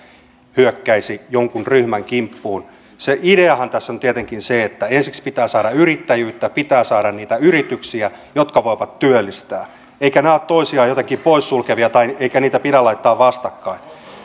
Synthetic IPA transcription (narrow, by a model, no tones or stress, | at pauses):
hyøkːæisijoŋkunryhmæŋkimpːuːn | seʔideɑhɑnt̪æsːont̪iet̪eŋkinseet̪ːæensikspit̪æːsɑːɾɑyrit̪ːæjyːt̪ːæpit̪æːsɑːɾɑnniːt̪æyrit̪yksiæ | jot̪kɑʋoiʋɑt̪t̪yølːist̪æː | eikæneæot̪t̪oisiɑːjot̪eŋkipoissulkeʋiɑt̪ɑieikæniːt̪æpiɾælɑit̪ːɑːʋʋɑst̪ɑkːɑin